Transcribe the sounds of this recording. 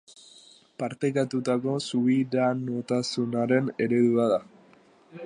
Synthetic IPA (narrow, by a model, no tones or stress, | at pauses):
paɾt̪e̞kat̪ut̪ako̞suβiɾanot̪asunaɾe̞ne̞ɾe̞ðuaða